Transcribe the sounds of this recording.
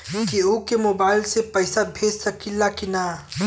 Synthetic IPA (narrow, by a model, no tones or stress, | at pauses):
keokemoːbaːɪlsepɐɪsabʱeːd͡ʒsɐkɪlːakina